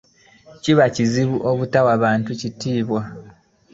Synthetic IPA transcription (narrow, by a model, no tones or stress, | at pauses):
ciβaciziβuʔo̞βutawaβaːntucitiːβwa